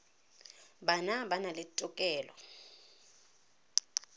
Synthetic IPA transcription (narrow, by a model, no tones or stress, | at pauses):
banabanalɪtʼɔkʼɛːlɔ̰